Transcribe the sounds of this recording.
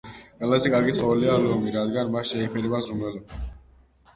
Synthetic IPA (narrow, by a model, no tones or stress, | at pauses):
qʼwɛlazɛkʼaɾɡit̪sʼqʼɔvɛlialɔmiɾad̪ɡanmasʃɛipʰɛɾɛbazumɛlɔba